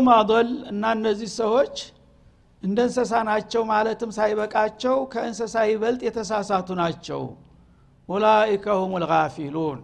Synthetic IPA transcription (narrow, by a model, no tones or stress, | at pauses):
mad̪ɔlɨnːaɨnːəzːihsəwo̞t͡ʃː | ʔɨnd̪əɨnsəs̬anat͡ʃːɛwmalət̪ʰɨmsajβəkʼat͡ʃːɛwkʰəɨnsəsajβəlt̪ʼjɛt̪ʰəsasat̪ʰunat͡ʃːɛ̰w | wulaikʰəhomulɣafilun